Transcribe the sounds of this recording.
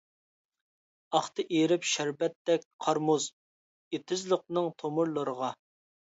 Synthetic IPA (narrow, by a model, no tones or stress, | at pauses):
ɑχt̪ʰɨʔeɾɪpʃæɾpɛt̪ːɛk̚ʲqʰɑɾmuz | et̪ʰɪzlˠəq̚nɨŋt̪ʰomʊɾlˠəɾəʁɑ